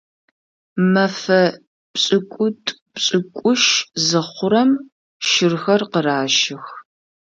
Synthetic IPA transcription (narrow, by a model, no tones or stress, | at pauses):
mɐfɐ | pɕʼɪkʷʼʊtʼ | pɕʼɪkʷʼʊʃzɨχʷʊɾɐm | ʃɪrxɐrqəraːʃɪx